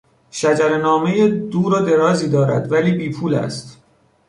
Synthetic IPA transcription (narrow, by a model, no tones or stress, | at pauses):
ʃæd͡ʒæɾenɒːme̞jed̪uːɾod̪e̞ɾɒːziːd̪ɒːɾæ̰d̪væliːbiːpʰuːlæ̰st̪